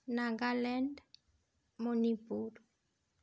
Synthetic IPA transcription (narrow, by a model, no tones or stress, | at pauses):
naŋɡalɛnd | monipuɾ